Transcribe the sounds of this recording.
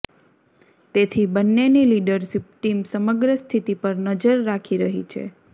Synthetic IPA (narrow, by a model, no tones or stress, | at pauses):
t̪et̪ʰibənːeniliɖəɾʃip̚ʈimsəməɡɾəst̪ʰit̪ipəɾnəd͡ʒəɾːakʰiɾəɦḭt͡ʃʰḛ